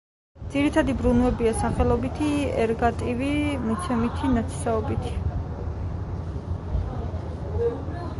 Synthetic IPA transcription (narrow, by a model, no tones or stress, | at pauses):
d̪z̥iɾit̪ʰad̪ibɾunvɛbiasaχɛlˠɔbit̪ʰiɛ̰ɾɡat̪ʼivimut̪sʰɛmit̪ʰinat̪sʰi̥saɔbit̪ʰi̥